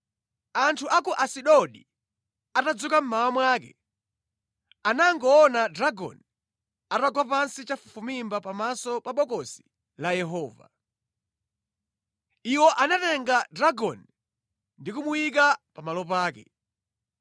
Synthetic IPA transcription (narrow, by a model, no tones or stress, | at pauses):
antʰuʔakuʔasiɗɔɗi | atad͡zukam̩mawamwaːk̬ɛ̰ | anaŋɡɔːnadɾaɡɔ̰n | ataɡwap̬ansit͡ʃafufumimbapamasɔpaɓɔkɔsi̥ | lajɛɦɔːva̰ | iwɔʔanatɛŋɡadɾaɡɔn | ndikumuwik̬apamalɔp̬aːkɛ̰